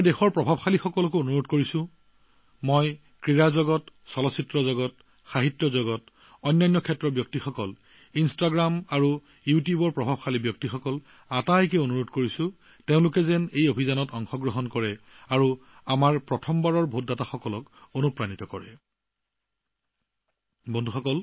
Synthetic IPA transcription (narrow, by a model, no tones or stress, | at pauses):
mjdexɔɹpɹɔbʱabxalixɔkɔlɔkoonuɹotkoɹisʊ̃ | moj | kɹiɹazɔɡɔtsɔlɔsitɹɔzɔɡɔt | xaɦitjɔzɔɡɔt | ɔjnːajnːɔkʰɛtːɹɔbjɔktixɔkɔl | instaɡɹamaɹu | jutjubɔɹpɹɔbʱabxalibjɔk̚tixɔkɔl | atajkɛonuɹotkoɹisʊ̃ | teʊ̃lʊkɛzɛnejobʱizanɔtɔŋxɔɡɹɔɦɔnkɔɹɛ | aɹu | amaɹpɹɔtʰɔmbaɹɔɹbʱot̚dataxɔkɔlɔkonupɹanitɔkɔɹɛ | bɔndʱuxɔkɔl